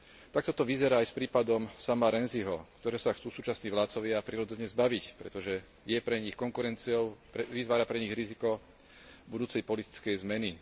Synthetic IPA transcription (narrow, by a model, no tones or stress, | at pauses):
t̪ak̚t̪ɔt̪ɔʋizɛɾaːjspɾiːpad̪ɔmsamaɾɛnziɦɔkt̪ɔɾɛːsaxt͡suːsuːt͡ʃasniːʋlaːt̪t͡sɔʋɪaːpɾiːɾɔd͡zɛɲɛzbaʋicpɾɛ̰t̪ɔʒɛ | jɛpɾɛɲixkɔŋkuɾɛnt͡siɔʊpɛʋit̪ʋaːɾapɾɛɲiɣɾizikɔ | bud̪uːt͡sɛjpɔlit̪i̥t͡skɛjzmɛni